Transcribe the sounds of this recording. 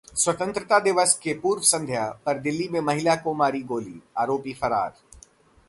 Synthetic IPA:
swɐt̪ə̃nt̪ɾɪt̪ad̪ɪʋəskepuːɾʋəsɐ̃nd̪ʱjapɐɾd̪ɪlːimẽmɐɦɪlakomaːɾiɡoːlḭːaːɾoːpifɐɾa̰ːɾ

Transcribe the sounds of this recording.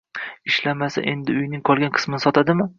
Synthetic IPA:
ɪʃlamasa̰ʔe̞nd̪ɪʊjnɪŋqʰɒlˠɡʲanqʰɨ̥smɪnɪsɒt̪ʰad̪ɪmɪ

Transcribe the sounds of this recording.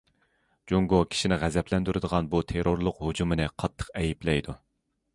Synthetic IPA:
d͡ʒuŋɡokʲʰi̥ʃinɪʁæzɛplɛnd̪yɾɨd̪əʁɑnbut̪ʰeɾoɾlˠʊqhod͡ʒumɨnɨqʰɑt̪ʰːə̥qɛjiplɛjd̪u

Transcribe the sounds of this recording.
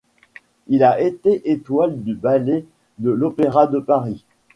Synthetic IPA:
ilaʔet̪eʔet̪wald̪ybale | d̪əlopeʁad̪əpaʁi

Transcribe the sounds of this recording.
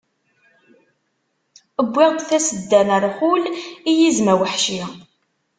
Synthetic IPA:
əbʷːɪʁd̪θæsəd̪ːænəɾˤχulijizmæwəħʃi

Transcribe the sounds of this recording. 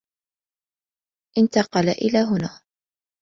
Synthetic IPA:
ʔɪnt̪ɑqɑlaʔɪlaːɦʊnaː

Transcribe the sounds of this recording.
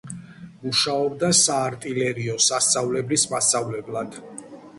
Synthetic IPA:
muʃaɔbd̪asaːɾt̪ʼilɛɾiɔsast̪ʼːavlɛblismastavlɛblˠad̪̥

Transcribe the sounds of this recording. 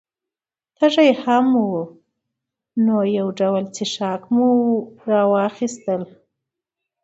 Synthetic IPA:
t̪ʰaʐajhamwu | nojawɖawəlt͡seʃɑkmuɾɑwɑxist̪əl

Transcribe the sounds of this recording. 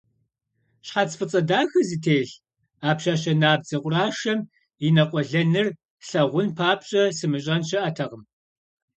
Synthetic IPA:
ɕħat͡sfɨt͡sʼɐdaːxɐzitʰeːɬ | aːpɕaːɕɐnaːbd͡zɐqʷʼʊraːʃɐm | inɐqʷʼɔɮɐnɨr | ɬɐʁʷʊnpʰaːpɕʼɐsɨmɨɕʼɐnɕɪʔɐtʰɐʁəm

